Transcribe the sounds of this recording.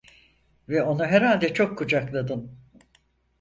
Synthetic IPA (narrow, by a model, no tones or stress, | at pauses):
vɛo̞nuɦɛɾɦalʲd̪ɛt͡ʃʰo̞kʰːud͡ʒaklˠad̪ɯn